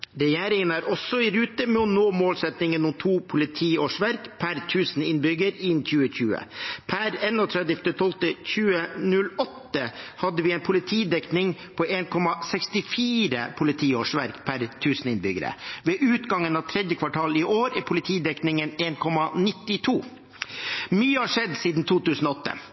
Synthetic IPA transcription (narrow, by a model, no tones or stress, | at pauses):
ɾɛjæːɾɪŋənæɾʔɔsːɔɪɾʉːt̪əmɛɔnoːmoːlsɛt̪nɪŋənʊmt̪ʰuːpʰʊlɪt̪ʰiːoːʂʋæɾkpʰæɾt̪ʰʉːsn̩ɪnbʏɡəɾɪnçʉːəçʉːə̰pʰæɾɛnɔt̪ʰɾɛd̪ɪft̪ət̪ʰɔlt̪əçʉːənʉlɔt̪ːəhɑd̪ːəʋɪɛɪnpʰʊlɪt̪ʰiːd̪ɛknɪŋpʰoʔeːnkʰɔmɑsɛkst̪ɪfiːɾə̰pʰʊlɪt̪ʰiːoːʂʋæɾkpʰæɾt̪ʰʉːsn̩ɪnbʏɡəɾə̰ʋeːʔʉːt̪ɡɑŋənɑʋt̪ʰɾɛd̪jəkʰʋɑʈʰɑːlɪʔoːɾipʰʊlɪt̪ʰiːd̪ɛknɪŋəneːnkʰɔmɑnɪt̪ːɪt̪ʰuː | myːəhɑʂɛd̪siːd̪n̩t̪ʰuːt̪ʉːsn̩ɔɔt̪ːə̰